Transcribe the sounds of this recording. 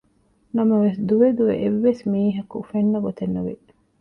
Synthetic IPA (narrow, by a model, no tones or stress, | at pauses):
nɐmɐʋesd̪uʋed̪uʋeʔeʋːesmiːɦɐkufenːɐɡot̪enːuʋḛ